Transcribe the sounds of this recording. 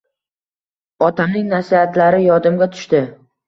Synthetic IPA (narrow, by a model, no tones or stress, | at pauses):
ɒt̪ʰamnɪŋnasihat̪ʰlaɾɪjɒd̪ɪmɡʲat̪ʰʊ̥ʃt̪ɪ